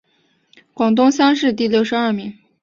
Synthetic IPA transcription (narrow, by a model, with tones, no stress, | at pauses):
kwɑ˨˩ŋt̪ʊ˥ŋɕjɑ˥ŋʂɻ̩˥˧t̪i˥˧ljo˥˩ʊʂɻ̩˧ɐ˞˥˩mi˧˥ŋ